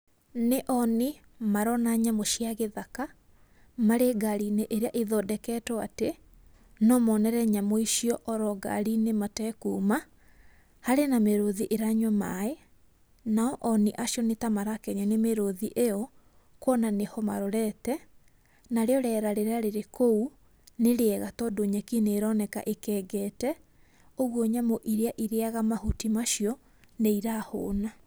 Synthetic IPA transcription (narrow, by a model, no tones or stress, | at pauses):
neʔɔni | maɾɔnaɲamoʃiaɣeðaka | maɾeɡaɾineʔeɾeaʔiðɔdɛkɛtɔate | nɔmɔnɛɾɛɲamoiʃiɔʔɔɾɔɡa̰ɾinematɛkuːma | haɾenameɾoðiʔeɾaɲwɔmae | naɔʔɔniʔaɕjɔnetamaɾakɛɲanemeɾoðiʔejɔ | kwɔnanehɔmaɾɔɾɛtɛ | naɾeɔɾɛɾaɾeɾaɾeɾekou | neɾeɛɣatɔdoɲɛkineːɾɔnɛka̰ʔekɛɡɛtɛ | oɣwɔɲamoʔiɾeaʔiɾeaɣamahutimaʃiɔ | neiɾaho̰ːna